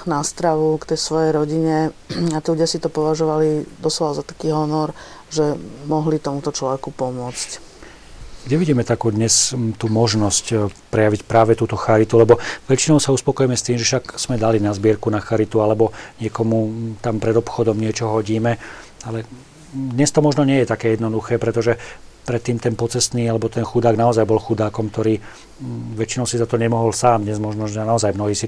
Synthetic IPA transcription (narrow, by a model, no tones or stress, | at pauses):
nast̪ɾaʋukt̪ɛjsʋɔjɛjɾɔɟiɲɛat̪iːluɟɪasit̪ɔpɔʋaʒɔʋalid̪ɔslɔʋazat̪ḁkiːɦɔnɔɾʒɛmɔɦlit̪ɔmut̪ɔt͡ʃlɔʋɛkupɔmʊɔt͡sc | ɡɟɛʋiɟiːmɛt̪akuːd̪ɲɛst̪uːmɔʒnɔscpɾɛjaʋicpɾaːʋɛt̪uːt̪ɔxaɾit̪ulɛbɔʋɛt͡ʃinɔʊsauspɔkɔjɛmɛst̪iːmʒɛʃakz̥mɛd̪alinazbɪɛɾkunaxaɾit̪ualɛbɔɲɪɛkɔmut̪ampɾɛd̪ɔpxɔd̪ɔmɲɪɛt͡ʃɔɦɔɟiːmɛalɛ | d̪ɲɛst̪ɔmɔʒnɔɲɪɛjɛt̪akɛːjɛd̪nɔd̪uxɛːpɾɛt̪ɔʒɛpɾɛt̪ːiːmt̪ɛnpɔt͡sɛst̪niːalɛbɔt̪ɛnxud̪aːɡnaɔzajbɔlxud̪aːkɔmk̚t̪ɔɾiː | ʋɛt͡ʃinɔʊsizat̪ɔɲɛmɔɦɔlsaːmd̪ɲɛzmɔʒnɔʒɛnaɔzajmnɔɦiːsi